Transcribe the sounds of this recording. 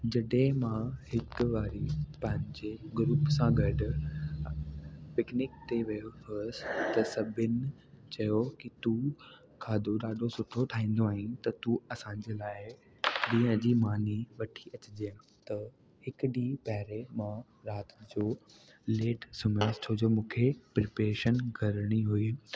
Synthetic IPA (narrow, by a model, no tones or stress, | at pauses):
d͡ʑɐɗɦẽmãhɪkʋaːɾipɐ̃ɦɪ̃ɲd͡ʑeɡɾuːpsãɡɐɖʊ̆ | pɪknɪkt̪eʋɐjoɦost̪ɐsɐbʱɪnɪt͡ɕɐjokit̪u | kʰãːd̪ʱoɗaːɖʱosʊʈʰot̪ʰaːɦĩːn̆d̪oaːɦĩt̪ɐt̪uɐsãːɲ̆d͡ʑeːlaːɪ | ɗĩːə̃d͡ʑiːmaːniʋɐʈʰiɐt͡ɕɪd͡ʑe | t̪ɐ | hɪkɗipɐɦɪɾemã | ɾaːt̪d͡ʑoː | leːʈsʊməst͡ɕʰoːd͡ʑoːmũːkʰepɾɪpɾeːʃənɡʱɐɾɽ̃iɦui